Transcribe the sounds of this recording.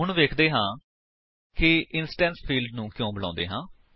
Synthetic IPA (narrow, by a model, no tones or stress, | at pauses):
ɦʊɳʋeːkʰd̪eːɦãː | kɪɪnsʈɛ̃ːnspʰiːlɖnũːkjõːbəlãːnd̪ḛːɦãː